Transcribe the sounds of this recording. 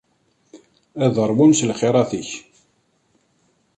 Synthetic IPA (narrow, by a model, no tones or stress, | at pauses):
æðəɾˤwumslχɪɾˤɑθiç